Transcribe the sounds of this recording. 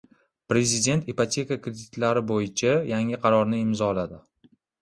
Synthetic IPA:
pɾe̞zɪd̪e̞nt̪ipat̪ʲʰe̞kakɾed̪ɪt̪laɾɪbojɪt͡ʃʰajaŋɪqʰɑɾɒɾnɪɪmzɒlad̪ɪ

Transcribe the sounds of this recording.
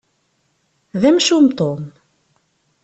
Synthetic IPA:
ðæmʃumt̪om

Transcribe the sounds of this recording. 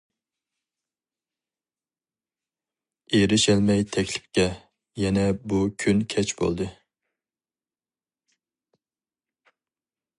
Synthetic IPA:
eɾɪʃɛlmɛjt̪ʰɛkʲlɪ̥p̚kʲɛ | jɛnɛbukʲʰynkʲʰɛt͡ʃb̥o̰lˠd̪ɨ

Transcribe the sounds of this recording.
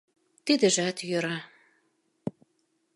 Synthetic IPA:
t̪id̪ɘ̆ʒæt̪jøɾɑ

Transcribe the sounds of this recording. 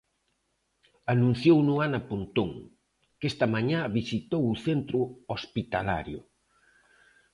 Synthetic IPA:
anũn̟θjownuanɐpont̪oŋ | kest̪ɐmaɲaβisit̪owuθent̪ɾʊospit̪ala̰ɾjʊ

